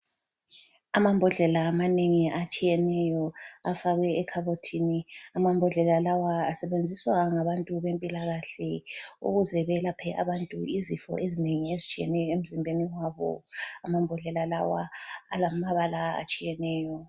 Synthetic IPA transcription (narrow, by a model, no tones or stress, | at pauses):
amambʱɔɮɛlaːmaneŋiat͡ʃʼijɛnɛjɔafaɣwɛːkʰaβotʰiniamambʱɔɮɛlalawaːsɛβend͡zʱiswaŋaβantʼuβempʼilaɣaɬɛṵɣuzɛβɛlapʰɛʔa̰βantʼuizifɔ̰ʔezineŋiezit͡ʃʼijɛ̰nɛjɔem̩zimbʱeniwaβɔ̰amambʱɔɮɛlala̰wa̰a̰lamaβalaa̰t͡ʃʼijɛnɛːjɔ